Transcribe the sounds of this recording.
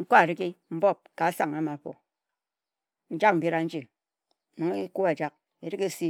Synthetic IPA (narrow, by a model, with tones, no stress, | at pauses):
ŋ̩˦ko˦a˨ɾi˦ki˦m̩˦bo˦p̚ka˨a˦sa˨ŋa˦ma˨ɸo̰˨ | n̩˦d͡ʒa˦k̚m̩˨be˦ɾa˨n̩˦d͡ʒi˨ | ni˨ŋe˦ku˦a˨d͡ʒa˦k̚ | e˨ɾi˦ke˦si˦